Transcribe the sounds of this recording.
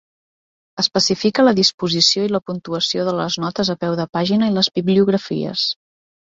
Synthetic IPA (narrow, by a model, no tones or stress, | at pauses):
əspəsifikələðispuzisioiləpunt̪uəsioðələznɔt̪əzəpɛwðəpaʒinəiləzbiβliuɣɾəfḭə̰s